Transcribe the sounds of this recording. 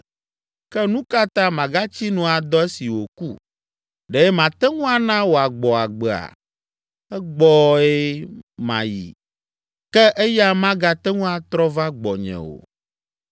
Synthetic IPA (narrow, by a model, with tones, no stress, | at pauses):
kɛ˦nũ˦ka˦t̪ã˦mã˨ɡa˦t͡ɕi˦nũ˨a˨d̪ɔ˦e˦si˨wo˨kṵ˦˨ | ɖɛ˨ɛ˦mã˨t̪ɛ˦ŋũ˦a˦nã˦wo˨a˨ɡ͡bɔ˨a˨ɡ͡bɛ˨a̰˨ | ɛ˦ɡ͡bɔ˦e˦mã̰˨jḭ˨ | kɛ˦ʔe˦ja˦mã˦ɡa˦t̪ɛ˦ŋũ˦a˨t̪ɾɔ˦va˦ɡ͡bɔ˨ɲɛ̰̃˨wo̰˨